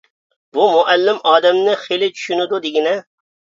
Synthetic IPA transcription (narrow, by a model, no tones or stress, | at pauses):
bumʊʔælːɪmɑːd̪ɛmnɪχelɪt͡ʃʰy̥ʃynɪd̪ud̪ɪɡʲɪnɛ